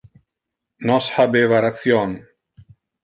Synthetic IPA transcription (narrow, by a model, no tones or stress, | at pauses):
nɔsħabevaɾat͡sjon